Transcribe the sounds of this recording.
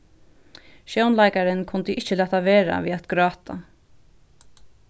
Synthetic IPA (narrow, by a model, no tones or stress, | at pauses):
ʃjownlaɪkaɾɪnkʰʊnt̪ɪʔɪt͡ɕəlæːt̪aʋeːɾa̰ʋiːat̪ɡ̥ɾɑːt̪ʰa̰